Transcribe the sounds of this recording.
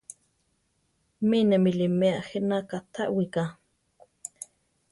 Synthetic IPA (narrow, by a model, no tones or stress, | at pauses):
minɛmilimeaʔxinakat̪ʰaʔwika